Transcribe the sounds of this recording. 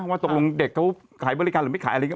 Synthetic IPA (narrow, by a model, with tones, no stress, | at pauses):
waː˧˩o˨˩klo˧ŋde˨˩kʰːa˦˥w | kʰaː˩˦bɔ˧ɾi˦kaː˧ɾɯː˨˦ma˥˩kʰaː˨˩˦ʔa˧ŋ˦˥˩